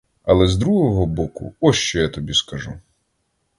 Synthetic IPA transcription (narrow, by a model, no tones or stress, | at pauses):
ɐlˠɛzd̪ɾuɦɔɦɔbɔkʊ̰ɔʃt͡ʃɔjat̪ɔbʲiskɐʒu